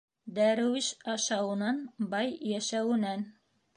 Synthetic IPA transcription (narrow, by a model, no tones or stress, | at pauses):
d̪æɾɘ̆wɘʃɑʃɑwɤ̆nɑnbɑjjæʃæwɘ̆næn